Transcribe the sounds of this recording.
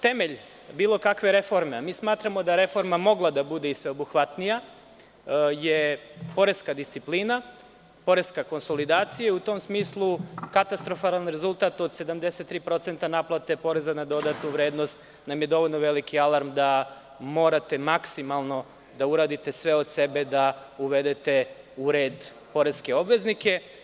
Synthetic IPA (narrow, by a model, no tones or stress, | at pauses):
t̪e̞me̞ʎ | biːlˠo̞kakʋeɾe̞fo̞ɾmeamiːsmaːt̪ɾamo̞d̪aɾe̞fo̞ɾmamo̞ɡlˠad̪abud̪eisʋe̞obuxʋat̪nija | je̞po̞ɾeskad̪ist̪sipliːna | po̞ɾe̞skako̞nso̞lid̪aːt̪sijaiut̪o̞msmiːslˠukat̪ast̪ɾo̞falˠanɾe̞zulˠt̪aːt̪o̞d̪se̞d̪amd̪e̞set̪ːɾiːpɾo̞t̪se̞nt̪anaplˠat̪e̞po̞ɾe̞zanad̪o̞d̪at̪nuʋɾeːd̪no̞st̪ | namjed̪o̞ʋo̞jlnoʋe̞likialˠaɾmd̪a | mo̞ːɾat̪e̞maksimalˠno̞ | d̪auɾaːd̪it̪e̞sʋe̞o̞d̪se̞be̞d̪auʋe̞d̪e̞t̪e̞ | uɾe̞ːd̪ | po̞ɾeskeo̞bʋe̞znike̞